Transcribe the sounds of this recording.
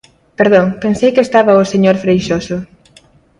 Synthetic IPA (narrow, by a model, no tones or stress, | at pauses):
peɾðoŋpensejkest̪aβaoseɲoɾfɾejʃoso